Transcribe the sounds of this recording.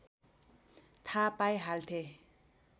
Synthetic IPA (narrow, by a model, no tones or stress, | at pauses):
t̪ʰapajɦalt̪ʰe